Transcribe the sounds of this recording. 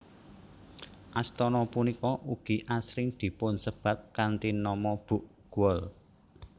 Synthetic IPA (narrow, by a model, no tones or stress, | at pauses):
ʔast̪ɔnɔpunikɔʔuɡ̥i̤ʔasɾɪŋd̪̥i̤pʊnsəb̥a̤t̪̚kant̪inɔmɔb̥uʔɡ̥uɔl